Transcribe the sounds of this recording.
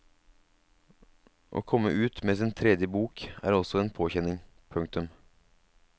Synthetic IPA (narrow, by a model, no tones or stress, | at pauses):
ʔo̰ːkʰɔmːə̰ʔʉːt̪meːsɪnt̪ʰɾɛd̪jəbuːkæ̰ːɾɔsɔeːnpʰoːçɛnɪŋ | pʰʉŋkt̪ʉm